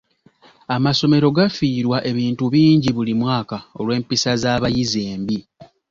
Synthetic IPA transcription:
amaso̞me̞ɾo̞ɡafiːɾwaʔe̞βiːntuβiːɲɟiβulimwaːkao̞̰lwe̞ːmpisazaːβajize̞ːmbi

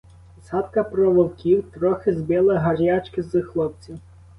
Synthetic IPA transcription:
sɑt̪kɐpɾɔʋɔwkʲiwt̪ɾɔxɪzbʲɛlˠɐɦɐrʲjat͡ʃkɪzɨxlˠɔp̚t͡sʲiw

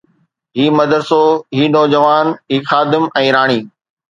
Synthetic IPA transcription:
ɦiːmɐd̪əɾsoːɦiːnɔːd͡ʑəʋaːnɦiːxaːd̪ɪmɛ̃ːɾaːɽ̃iː

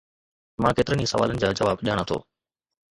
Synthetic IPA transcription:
mãːkeːt̪ɪɾənisəʋa̰ːlənɪ̆d͡ʑaːd͡ʑəʋaːbʄaːɽ̃at̪ʰo̰ː

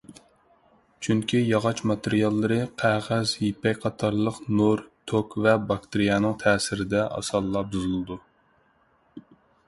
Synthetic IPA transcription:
t͡ʃʰyŋkʲʰijɑʁɑt͡ʃmɑt̪eɾijɑlˠːɨɾɨqʰæʁæzjipɛkʲqʰɑt̪ʰɑɾlˠəqnuɾt̪ʰokvɛbɑkt̪eɾijɑnɨŋt̪ʰɛːsɪɾɪd̪ɛʔɑ̰sɑlˠːɑbuzɨlˠɨd̪u

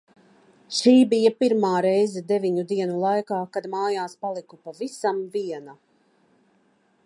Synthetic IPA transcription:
ʃiːbijapiɾmaːɾɛjzɛd̪eviɲud̪iɛnulˠajkaːkad̪maːjaːspalˠikupavisamviɛna

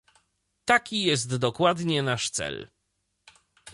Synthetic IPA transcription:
t̪akʲijɛst̪d̪ɔkwad̪ɲɛnaʂt̪sɛ̰l

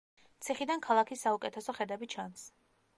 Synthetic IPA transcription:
t̪sʰiχid̪ankʰalˠakʰisːaukʼɛt̪ʰɛsɔχɛd̪ɛbit͡ʃʰans

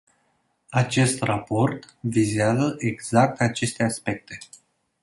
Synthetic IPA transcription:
at͡ʃe̞st̪rapo̞rt̪ | vizeazəʔeɡz̥ak̚t̪at͡ʃe̞st̪e̞aspe̞k̚t̪e̞

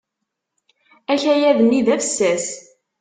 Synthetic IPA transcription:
æçæjæðənːiðæfəsːæs

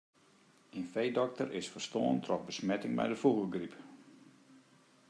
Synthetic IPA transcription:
enfejdɔk̚tərʔɪsfərstoːəntʰrɔxbəsmɛtɪŋmɛ̰jdəfuɣəɡrip

